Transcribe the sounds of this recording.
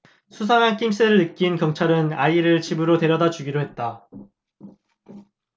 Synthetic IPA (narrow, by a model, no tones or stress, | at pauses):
sʰusʰaŋɦank͈imɕ͈ʰɯɾɯɭnɯk͈inkjʌŋt͡ɕʰaɾɯnaiɾɯɭt͡ɕibɯɾote̞ɾjʌdad͡ʑuɡiɾoɦe̞t̚t͈a